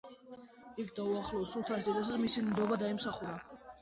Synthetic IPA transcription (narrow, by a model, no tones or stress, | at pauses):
ikʰd̪auaχlˠɔːsult̪ʰaɾsd̪ɛd̪as̬ad̪amisimd̪ɔbad̪aimsaχuɾa